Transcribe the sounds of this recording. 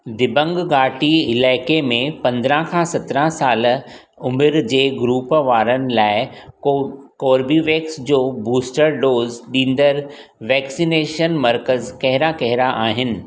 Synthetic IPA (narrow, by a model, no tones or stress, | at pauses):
d̪ɪbə̃ŋɡɡaːʈiɪlaːɪkemẽpɐ̃nd̪ɾə̃kʰãsɐt̪ɾə̃saːl | ʊmɪɾd͡ʑeːɡɾuːpʋaːɾənɪ̆laːɪ | koːɾbiʋeːksd͡ʑoːbuːsʈəɾɖoːzɗĩːn̆d̪əɾ | ʋɛːksineːʃənmɐɾkəzkɐɦɪɾakɐɦɪɾaʔaːɦɪnɪ̆